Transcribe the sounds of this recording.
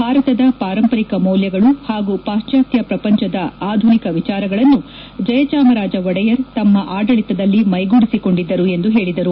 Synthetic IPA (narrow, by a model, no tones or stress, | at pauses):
bʱaːɾɐt̪ɐd̪ɐpaːɾɐmpɐɾikɐmɔːljɐɡɐɭuhaːɡupaːʃt͡ʃaːt̪jɐpɾɐpɐɲt͡ʃɐd̪ɐaːd̪ʱunikɐʋit͡ʃaːɾɐɡɐɭɐnːu | d͡ʒɐjɐt͡ʃaːmɐɾaːd͡ʒɐʋɔɽɐjɐɾt̪ɐmːɐʔaːɖɐɭit̪ɐd̪ɐlːimɐjɡuɽisiko̞ɳɖid̪ːɐɾue̞nd̪uɦe̞ːɭid̪ɐɾu